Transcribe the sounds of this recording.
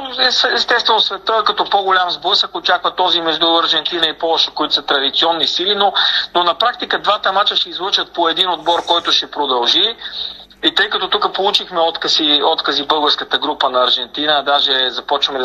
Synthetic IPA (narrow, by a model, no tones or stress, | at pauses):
ɛsɛst̪ɛst̪vɛnosvɛt̪əkɐt̪ɔpoɡolʲamzbɤsəkot͡ʃakvət̪ɔzimɛʒd̪ulˠɐɾʒɛnt̪inəipɔlˠɔʃɛkoit̪o̥sɐt̪ɾɐd̪it̪siɔnːisilinononɐpɾak̚t̪ikəd̪vat̪ɐmat͡ʃəʃɛizlˠɤt͡ʃət̪̚poɛd̪inod̪bɔɾkɔjt̪ʊʃɛpɾod̪ɐlˠʒi | it̪ɤjkɐt̪ɔt̪utkəpolˠut͡ʃixmɛɔt̪kəsiɔt̪kəzibɤlˠɡəɾskət̪əɡɾupənɐːɾʒɛnt̪inəd̪aʒɛzɐpɔt͡ʃvəmɛd̪